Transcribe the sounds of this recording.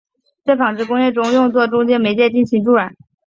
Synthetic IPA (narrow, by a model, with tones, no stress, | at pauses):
t͡sa˥˩fɑ˨˩ŋʈ͡ʂɻ̩˥˩kʊ˥ŋjɛ˥˩ʈ͡ʂʊ˥ŋjʊ˥˧ŋt͡swɔ˥˩ʈ͡ʂʊ˥ŋt͡ɕjɛ˥nme˧˥ɪt͡ɕjɛ˥˧t͡ɕi˥˩nɕʰi˧˥ŋʈ͡ʂu˥˩a˨˩˥